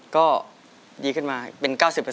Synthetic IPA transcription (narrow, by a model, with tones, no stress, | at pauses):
kɔː˥˩ | diː˧kʰɯ˥˩nmaː˧pe˧nkaː˥˩wsi˨˩pːa˧